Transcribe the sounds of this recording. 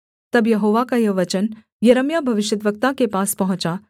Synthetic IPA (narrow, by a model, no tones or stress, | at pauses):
t̪ɐbjɐɦoːʋakajɐʋɐt͡ʃən | jɐɾəmjabʱɐʋɪʃjəd̪ʋək̚t̪akepaːspɐɦʊ̃t͡ʃa